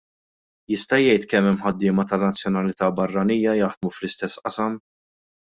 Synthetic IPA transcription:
jɪst̪ɐjɛjt̪kɛmːɛmːħɐd̪ːɪːmɐt̪ɐnɐt͡sːjɔnɐlɪt̪ɐːbɐrːɐniːjɐjɐħd̪muflɪst̪ɛsːʔɐsɐm

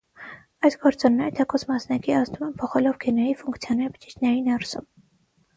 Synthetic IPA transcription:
ɑjsɡɔɾt͡sɔnnɛɾət̪ʰɛkʰɔsʰmɑsnɑkiɑznumɛmpʰɔχɛlɔvɡɛnɛɾifuŋkt͡sʰjɔnɛɾpʰə̥t͡ʃit͡ʃʰnɛɾinɛɾsum

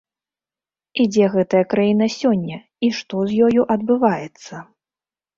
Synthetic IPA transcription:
id͡zʲɛɣɛt̪ɐjɐkɾajinɐsʲɔnʲːɐ | iʂt̪ɔzʲjɔjuʔɐd̪bɨvajɛt̪sːɐ

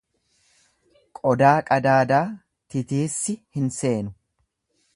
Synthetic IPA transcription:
kʼɔd̪aːkʼɐd̪aːd̪aː | t̪ɪt̪iːsːɪhɪnse̞ːnʊ

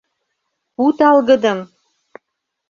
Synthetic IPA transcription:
ut̪ɑlɣə̆d̪ə̆m

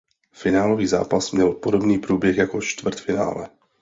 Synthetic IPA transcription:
fɪnaːlo̞viːza̰ːpasmɲɛlpodo̞bniːpɾuːbjɛxjakot͡ʃt̪vr̩t̪fɪna̰ːlɛ

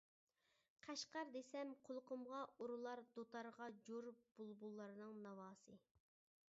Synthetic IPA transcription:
qʰæʃqɑɾd̪esɛmqʰolˠqʊmʁɑoɾulˠɑɾd̪ot̪ʰɑɾʁɑd͡ʒoɾb̥ulˠbulˠːɑɾɨnɨŋnɑwɑːsɨ

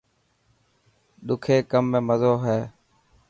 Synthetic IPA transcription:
ɗ̪ʊkʰeːkəmːẽːməzoːɦeː

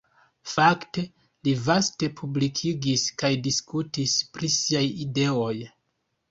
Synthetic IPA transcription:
fakte̞ | livaste̞pʰublikʰiɡiskajdiskutispɾisiajide̞o̞j

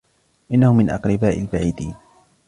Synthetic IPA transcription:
ʔɪnːahʊmɪnʔɑ̰qɾɪbaːʔɪlbaʕiːd̪iːn

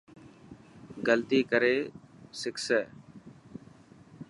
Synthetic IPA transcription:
ɡəlt̪iːkəɾeːsɪksɛː

